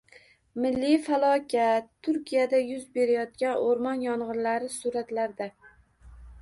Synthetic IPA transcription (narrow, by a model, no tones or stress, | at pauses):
mɪlːɪjfalˠɒkʲʰat̪ʰːʊɾkʲijad̪ajʊzbe̞ɾajɒt̪̚kʲanoɾmɒnjɒɴʁɨɾlaɾɪsʊɾat̪laɾd̪a